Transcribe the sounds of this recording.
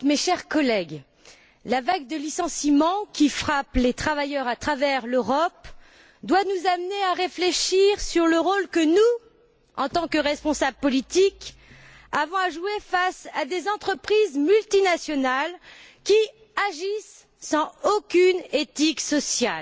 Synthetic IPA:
meʃɛʁkɔlɛɡ | lavaɡ̚d̪əlisɑ̃simɑ̃kʲifχaplet̪χavajœʁat̪χavɛʁløʁɔp | d̪wanuzamneaʁefleʃiʁsyʁləʁolkənu | ɑ̃t̪ɑ̃kəʁɛspɔ̃sablpɔlit̪ik | avɔ̃aʒuefasad̪ezɑ̃t̪χəpχizmylt̪inasjɔnalkʲi | aʒisː | ɑ̃okʲynet̪iksɔsjal

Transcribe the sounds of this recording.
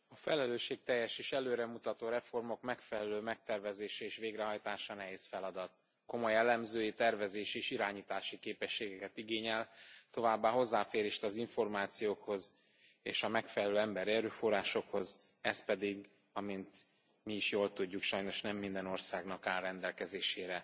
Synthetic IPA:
ɒfɛlɛløːʃːeːk̚t̪ɛjːɛʃeːʃɛløːɾɛmut̪ɒt̪oːɾɛfo̞rmo̞kmɛkfɛlɛløːmɛk̚t̪ɛrvɛzeːʃɛeːʃveːɡrɛɦɒjt̪aːʃɒnɛɦeːsfɛlɒd̪ɒt̪ | ko̞mo̞jɛlːɛmzøːjit̪ɛrvɛzeːʃeːʃiɾaːɲiːt̪aːʃikeːpɛʃːeːɡɛkɛt̪iɡeːɲɛlt̪o̞vaːbːaːɦo̞zːaːfeːɾeːʃt̪ɒziɱfo̞rmaːt̪sijoːkho̞z | ḛːʃɒmɛkfɛlɛløːɛmbɛɾɛɾøːfo̞raːʃo̞kho̞z | ɛspɛd̪iɡ | ɒmint̪ | miiʃjoːlt̪uɟːukʃɒjno̞ʃnɛmːind̪ɛno̞rsaːɡnɒkaːrːɛnd̪ɛlkɛzeːʃeːɾɛ

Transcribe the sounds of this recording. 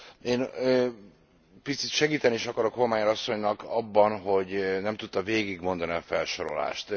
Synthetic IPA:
eːnø | pit̪sit̪ʃɛɡiːt̪ɛniʃɒkɒɾo̞kɦormaːɲɛɾɒsːo̞ɲnɒkɒbːɒnɦo̞ɟnɛmt̪ut̪ːɒveːɡiɡmo̞nd̪ɒniɒfɛlʃo̞ɾo̞̰la̰ːʃt̪

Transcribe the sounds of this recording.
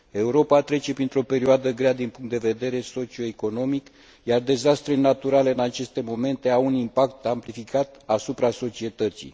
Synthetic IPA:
e̞uɾo̞pat̪ɾe̞t͡ʃe̞pɾint̪ɾo̞pe̞ɾioad̪əɡɾead̪inpuŋkt̪d̪e̞ve̞d̪e̞ɾe̞so̞t͡ʃio̞eko̞no̞mik | jard̪e̞zast̪ɾenat̪uɾale̞ɨnat͡ʃe̞st̪e̞mo̞me̞nt̪e̞awunimpak̚t̪amplifikat̪asupɾaso̞t͡ʃie̞t̪ət̪sḭ

